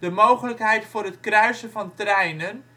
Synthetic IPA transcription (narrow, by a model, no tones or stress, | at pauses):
d̥əmowχələkɦɛjtfʊːrɦətkrœɥsənvɑntrɛjnən